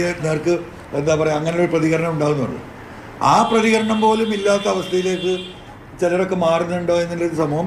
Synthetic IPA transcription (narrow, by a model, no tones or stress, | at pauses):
eneːrkɨ | end̪aːpɐrɐjɐŋːɐnejoɾuprɐðiɣɐɾɐɳɐmuɳɖaːɣunːṵɳɖɨ̰ | aːprɐðiɣɐɾɐɳɐmpo̞ːlumilːaːt̪ːɐɐʋɐst̪ʰɐjile̞ːkːɨ | t͡ɕelɐɾo̞kːe̞maːrinːuɳɖo̞ːe̞nːilːoɾusɐmuːhɐm